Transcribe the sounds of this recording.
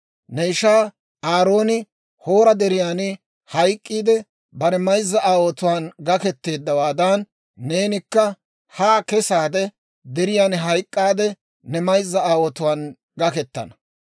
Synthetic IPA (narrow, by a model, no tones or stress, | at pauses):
nɛɪʃaː | aːɾo̞ːnɪ | ho̞ːɾɐd̪ɛɾɪjaːnɪ | hɐjkʼːiːd̪ɛ | bɐɾɛmɐjzːɐʔaːwɔt̪ʊwaːnɡɐkɛt̪ːe̞ːd̪ːɐwaːd̪aːnː | e̞ːnɪkːɐ | haːkɛsaːd̪ɛ | d̪ɛɾɪjaːnɦɐjkʼːaːd̪ɛ | nɛmɐjzːɐaːwɔt̪ʊwaːn | ɡɐkɛt̪ːɐ̰nɐ